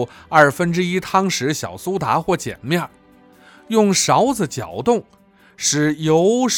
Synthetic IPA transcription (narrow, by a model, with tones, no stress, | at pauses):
ɐ˞˥˩fə˥nʈ͡ʂɻ̩˥i˥t̪ʰɑ˥ŋʂɻ̩˧˥ɕjɑ̰˨˩ʊsu˥t̪a̰˧˥xwɔ˥˩t͡ɕjɛ̰˨˩nmjɑ˥˩ | jʊ˥˩ŋʂɑ˧˥ʊd͡z̩˨˩t͡ɕjɑ˨˩ʊt̪ʊ˥˩ŋ | ʂɻ̩˨˩jo˧˥ʊʂ